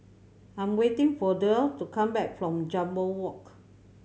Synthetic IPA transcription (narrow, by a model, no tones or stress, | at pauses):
ãɪ̃mwetɪ̃ŋfɔdətukʰãmbɛk̚fɹɔ̃md͡ʒãmbəlwɔk